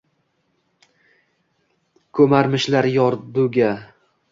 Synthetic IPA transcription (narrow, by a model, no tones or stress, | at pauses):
kʰɵmaɾmɪʃlaɾjɒɾd̪uɡʲa